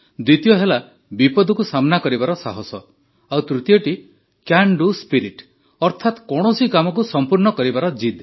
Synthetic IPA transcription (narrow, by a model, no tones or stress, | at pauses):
d̪wit̪ijɔɦela | bipɔd̪ʱɔkusamɔnakɔɾibaɾɔsaɦɔsɔ | awt̪ɾut̪ijɔʈi | kjaɳɖuspiɾiʈ | ɔɾt̪ʰat̪kɔɽ̃ɔsikamɔk̬usɔmpuɾnɔkɔɾibaɾɔd͡ʒid̪